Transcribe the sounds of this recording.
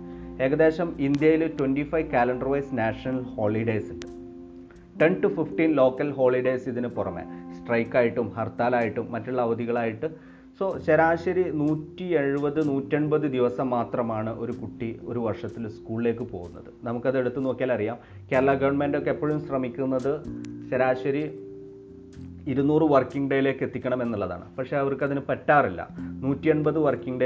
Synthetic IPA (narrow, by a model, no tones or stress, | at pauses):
e̞ːɣɐd̪e̞ːɕɐmind̪jɐjiltwenɖifɐjʋkaːlɐɳɖɐrʋɐjsnaːʂɐnɐlho̞ːɭiɖejsiɳɖɨ | ʈe̞nʈufifʈinlo̞ːkːɐlɦo̞ːɭiɖejsiðinɨpurɐmḛːsʈrɐjkːaːjiʈːumhɐrt̪aːlaːjiʈːumːɐtːuɭːɐːʋɐd̪iɣɐɭaːjiʈːɨ | so̞ːɕɐɾaːɕɐɾinuːtːie̞ɻubɐðɨnuːtːeɳbɐðɨd̪iʋɐsɐmːaːt̪rɐmaːɳɨʔo̞̰ɾukuʈːio̞̰ɾuʋɐrʂɐt̪ːilskuːɭile̞ːk̬ːɨpo̞ːɣunːɐ̰ðɨnɐmukːɐðe̞ɽut̪ːɨno̞ːkːijaːlɐrijaːm | keːɾɐɭɐɡɐʋɐɳmendo̞kːepːoːɻumɕrɐmikʲːunːɐðɨɕɐɾaːɕɐɾi | iɾunuːrɨʋɐrkiŋɡɖejile̞ːkːe̞t̪ːikʲːɐɳɐme̞nːuɭːɐða̰ːɳɨ̰pɐkʂe̞ɐʋɐrkɐðinɨpetːaːrilːɐ̰nuːtːieɳbɐðɨʋɐrkiŋɡɖe